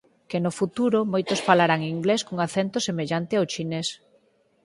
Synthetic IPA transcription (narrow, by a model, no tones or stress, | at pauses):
kenʊfut̪uɾomojt̪osfalaɾaŋiŋɡleskoŋaθent̪ʊsemeʎant̪ɪawt͡ʃines